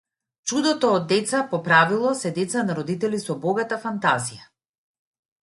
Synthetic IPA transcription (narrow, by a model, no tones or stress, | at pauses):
t͡ʃud̪ɔt̪ɔːd̪ːɛt̪sapɔpɾavilˠɔsɛd̪ɛt̪sanaɾɔd̪it̪ɛlisɔbɔɡat̪afant̪azija